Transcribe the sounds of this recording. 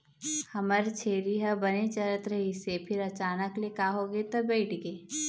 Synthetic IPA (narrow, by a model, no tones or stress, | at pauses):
hɐməɾt͡ʃʰeːɾiɦəbɐnet͡ʃəɾət̪ɾɐɦisepʰɪɾɐt͡ʃaːnəklekaːɦoːɡet̪obɛːʈʰɡeː